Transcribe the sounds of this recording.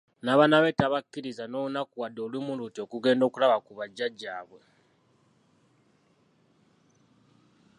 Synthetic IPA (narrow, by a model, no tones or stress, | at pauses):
naβanaβe̞taβakːiɾizano̞ːunakuwadːo̞lwimulutio̞kuɡe̞ːndo̞ːkulaβakuβaɟːaɟːaːβwe̞